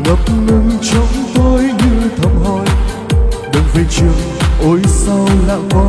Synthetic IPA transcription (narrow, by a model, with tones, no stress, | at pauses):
ŋə˨˦˩p̚mɨ˧ŋt͡ɕɔ˨˦wŋ͡mt̪o˧jɲɨ˧t̪ʰə˨˧˩mɦo˧˩˨j | ɗɨ˨˩ŋfa˧˩˦t͡ɕi˧˩əwʔo˨˦jsa˧wla̰ː˧˨vɔ˧˦